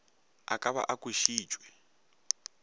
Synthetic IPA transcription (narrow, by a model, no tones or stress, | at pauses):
a̰kʼaβa̰ʔakʼweʃiːd͡ʒʱʼwɛ